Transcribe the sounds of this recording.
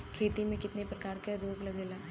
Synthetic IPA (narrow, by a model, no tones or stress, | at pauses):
kʰeːt̪imẽkɪt̪nepɾɐkaːɾkaɾoːɡlɐɡeːlaː